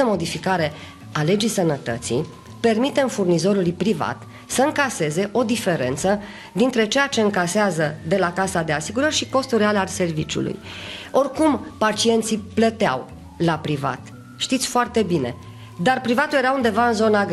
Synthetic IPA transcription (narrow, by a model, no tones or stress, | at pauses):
əmo̞d̪ifikaɾe̞ | ale̞d͡ʒijsənət̪ə̰t̪sḭ | pe̞rmit̪e̞mfurnizo̞ɾulujpɾiva̰t̪ | səɨŋkase̞ze̞ʔo̞d̪ife̞ɾe̞̰nt̪sə | d̪int̪ɾe̞t͡ʃe̞jat͡ʃe̞ɨŋkaseazəd̪e̞lakasad̪e̞asiɡuɾərʃiko̞st̪urːealalse̞rvit͡ʃʲṵlṵjo̞rkumpat͡ʃie̞nt̪siplət̪ea̰w | lapɾiva̰t̪ | ʃt̪it̪sʲfoart̪e̞binḛ | d̪arpɾivat̪ulje̞ɾaund̪e̞vaɨnzo̞naɡ